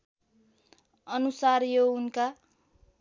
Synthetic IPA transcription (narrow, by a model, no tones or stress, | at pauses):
ʌnusarjounka